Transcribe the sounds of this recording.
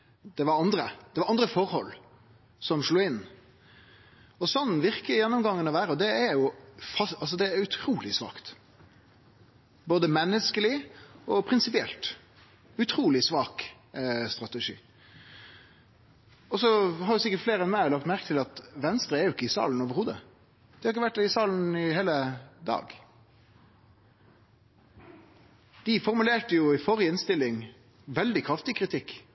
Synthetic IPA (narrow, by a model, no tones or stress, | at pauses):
d̪̥ɛʋɑɾɑnd̪ɾəd̪̥ɛʋɑɾɑnd̪ɾəfɔɾhɔlː | sɔmʂluːɪn | ɔsɔnːʋɪɾkəjɛnːɔmɡɑŋːənɔʋæːɾəɔd̪ɛɛɾjʊfɑsɑlsɔd̪ɛæɾʉt̪ʰɾuːlɪsʋɑ̰ːkt̪ | boːd̪əmɛnːəskəlɪɔpʰɾɪnsɪpɪɛ̰lt̪ | ʉt̪ʰɾuːlɪsʋɑːk | st̪ɾɑt̪ɛʂḭː | ɔsɔhɑɾdʊsɪkəʈfleːɾɛnmæɪlɑk̚t̪mæɾkət̪ʰɪlɑt̪ʋɛnst̪ɾəɛɾjʊɪkːəɪsɑ̰ːln̩oːʋəɾhuːd̪ə̰ | d̪ɪhɑɾɪk̬ːəʋæʈ̚ːd̪ɪsɑːln̩ɪheːləd̪ɑ̰ːɡ | d̪̥ɪfɔɾmʉleːʈəjʊɪfɔɾjəɪnst̪ɪlːɪŋ | ʋɛld̪ɪkʰɾɑft̪ɪkʰɾɪt̪ʰɪkː